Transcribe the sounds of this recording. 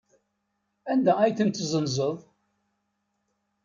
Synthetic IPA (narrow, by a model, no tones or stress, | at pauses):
ænd̪ææjθənt̪zˤənzˤəðˤ